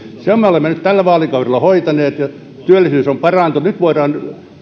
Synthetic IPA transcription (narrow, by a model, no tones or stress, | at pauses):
seommeolemːenyt̪t̪ælːæʋɑːlikɑurelːˑɑhoit̪ɑneːt̪jɑ | t̪yølːisyːsompɑrɑˑnt̪unyt̪ʋoirɑːn